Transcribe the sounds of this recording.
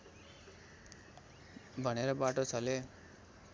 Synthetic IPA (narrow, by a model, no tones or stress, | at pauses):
bʱʌneɾʌbaʈot͡sʰʌle